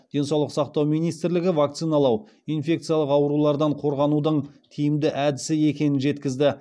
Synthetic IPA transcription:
d̪̥e̞nsɑwlˠəqsɑqt̪ɑwmijnijst̪ɪɾlɪɡʲɪvak̚t̪sɨjnɑlˠɑw | ijnfʲe̞k̚t̪sɨijalˠəqɑwɾulˠɑɾd̪ɑɴqʰo̞ɾʁɑnud̪əɴt̪ʰijɪmd̪ɪʔæd̪ɪsɪe̞kʲe̞nɪnʒe̞t̪kʲɪzd̪ɪ

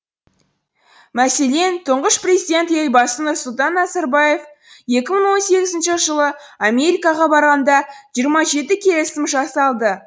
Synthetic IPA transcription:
mæse̞le̞nt̪ʰəɴʁəʃprʲezid̪ʲe̞nt̪ejbɑsənʊɾsʊlˠt̪ɑnːɑzɑɾbɑje̞f | je̞kʲɪməɴwo̞nse̞ɡʲɪzɪnʃɪʒəlˠəame̞ɾikɑʁɑbɑɾʁɑnd̪ɑʒijəɾmɑʒe̞t̪ɪkʲʰe̞lɪsɪmʒɑsɑlˠd̪ə

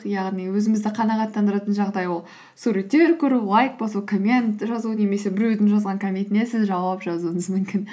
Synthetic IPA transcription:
qjɑʁniwɵzɪmɪzd̪ɪqʰɑnɑʁɑt̪ːɑnd̪əɾɑt̪ənʒɑʁd̪ɑjwo̞lˠ | suɾet̪ːe̞ɾkʲʰɵɾulˠɑjk̚bosɑkʰomʲe̞nt̪ʒɑzune̞me̞se̞bɪɾɵd̪ɪnʒɑzʁɑŋkʰomʲejt̪ɪne̞sɪzʒɑwɑpʒɑzuəɴəzmʏmkʲɪn

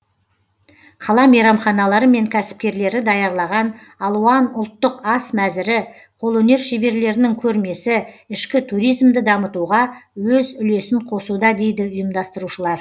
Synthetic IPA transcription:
qʰɑlˠɑmejɾɑmχɑnɑlˠɑɾəme̞ŋkʲʰæsɪ̥p̚kʲe̞ɾle̞ɾɪd̪ɑjɑɾlˠɑʁɑnɑlˠuɑnʊlˠt̪ːəqɑsmæzɪɾɪ | qʰo̞lˠɵne̞ɾʃebe̞ɾle̞ɾɪnɪŋkʲʰɵɾme̞sɪɪʃkʲɪt̪ʰuɾijzmd̪ɪd̪ɑmət̪uʁɑwɵzʏle̞sɪɴqʰo̞sud̪ɑd̪e̞jd̪ɪʊjəmd̪ɑst̪əɾuʃəlˠɑɾ

